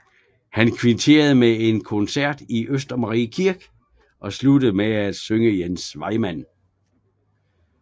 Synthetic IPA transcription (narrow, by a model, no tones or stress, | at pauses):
hænkʰʋint͡sʰe̝̰ːɐð̞̩ˠmee̝nkʰonsæɐ̰d̥iʔøsd̥ɐmɑʁḭːkʰiɐɡ̥ | ʔɒ̽slud̥əð̩ˠmeæd̥søŋəjensʋɑ̈ɪmæn̰